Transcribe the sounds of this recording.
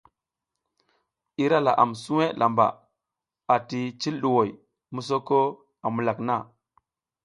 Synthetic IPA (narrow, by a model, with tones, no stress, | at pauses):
i˦ɾa˦la̰˨ʔa̰˨msu˦we˦lʔa˨mba̰˨ | a˨ti˨t͡ʃi˦lɗu˨wo˨j | mu˦s̬o˦ko˦ | a˨mu˨la˨kna˦˨